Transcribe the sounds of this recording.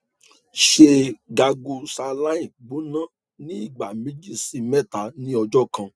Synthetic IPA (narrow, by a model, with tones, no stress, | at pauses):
ʃe˧ɡa˧ɡu˧sa˧la˦ĩ˨bo˨˦nã˦ | nĩ˦i˦˨ɡ͡ba˨mẽ˨˦d͡ʒi˦si˧˨mɛ˦˨ta˨˦nĩ˦ɔ˧d͡ʒɔ˦˨kã˧